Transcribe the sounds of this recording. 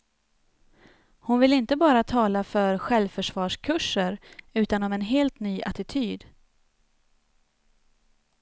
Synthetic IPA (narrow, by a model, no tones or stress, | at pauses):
hʊnvɪlɪnt̪əbɑːɾat̪ʰɑːlafœɾɧɛlvfœʂvɑːʂkʰɵʂːəɾʉ̟ːt̪anɔmɛnɦeːlt̪nyːʔat̪ɪt̪ʰyːd̪